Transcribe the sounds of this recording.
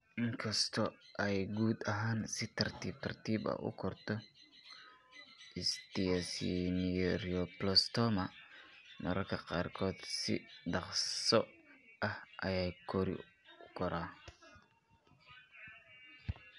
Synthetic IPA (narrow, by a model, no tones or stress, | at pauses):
ʔɪŋkʰɐst̪ʰɔʔɛjɡuːd̪ɐɦaːnsɪt̪ʰɐrt̪ʰiːb̚t̪ʰɐrt̪ʰiːbɐ̰ʔʊ̰kʰɔrt̪ʰɔ | ʔɪst̪iɐsḭnriɔplɔst̪ʰɔmɐ | mɐɾɐrkʰɐqɑːrkʰɔːd̪sɪ̰ɖɑqsɔʔɐhʔɐjaːkʰɔɾɪ̰ʊkʰɔɾaː